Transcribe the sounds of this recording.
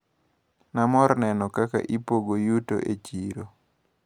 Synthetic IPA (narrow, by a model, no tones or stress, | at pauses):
namɔɾnɛnɔkaka̰ʔipoɡojuto̰ʔet͡ʃiɾo